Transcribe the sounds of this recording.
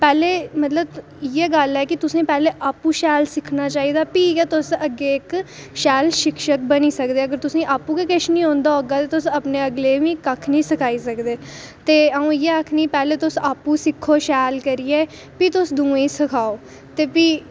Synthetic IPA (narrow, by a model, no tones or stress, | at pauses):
pɛːleːmət̪ləb | jeːɡəlɛːkɪt̪ʊsẽːpɛːleːʔaːpːũːʃɛːlsɪkʰnaːt͡ʃaːiːd̪aːpiːkeːt̪ʊsəɡeːɪk | ʃɛːlʃɪkʃək̚bəniːsəkd̪eːəɡəɾt̪ʊsẽːʔaːpːũːkekɪʃnĩːɦõːnd̪aːoɡaːt̪eːt̪ʊsəpneːəɡleːʋĩːkəkʰnĩːsəkʰaːiːsəkd̪eː | t̪eːəũːjeːəkʰniːpɛːleːt̪ʊsaːpːũːsɪkʰːoːʃɛːlkəɾiːeː | pit̪ʊsd̪ũːẽːsəkʰaːoː | t̪eːpiː